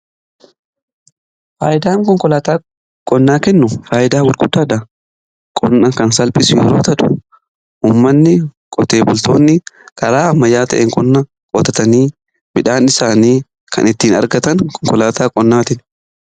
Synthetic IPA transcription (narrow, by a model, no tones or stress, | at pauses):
faːjɪd̪aːŋkɔŋkɔlaːt̪aː | kʼɔnːaːkɛnːʊfaːjɪd̪aːɡʊlɡʊd̪ːaːd̪ɐ | kʼɔ̰nːɐkɐnsɐlpʼɪsʊjɛɾoːt̪ɐᶑʊ̥ | ʔuːmːɐnːɪkʼɔt̪eːbʊlt̪oːnːɪkʼɐɾaːɐmːɐjaːt̪ɐʔeːŋkʼɔnːɐ | kʼɔ̰t̪ɐt̪ɐniː | mɪᶑaːnɪsaːniː | kʰɐ̰nɪt̪ːiːnɐ̰ɾɡɐt̪ɐŋkɔŋkɔlaːt̪ʰaːkʼɔnːaːt̪ɪn